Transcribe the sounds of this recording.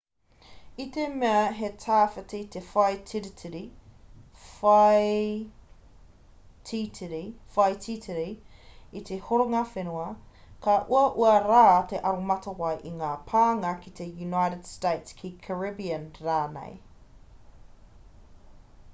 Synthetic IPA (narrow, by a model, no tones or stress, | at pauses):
it̪emeɐɦetʰaːfɐtit̪efɐjtʰiɾitʰiɾi | fɐj | tʰitʰiɾifɐjt̪ʰit̪ʰiɾiit̪ʰehoɾoŋafenuɐ | kaʔuɐʔuɐɾaːt̪eʔɐɾomɐt̪ɐwɐjʔiŋaːpʰaːŋɐkit̪ejunajɾəd̥steɪtskʰikʰəɹɪbiɐnɾaːnḛj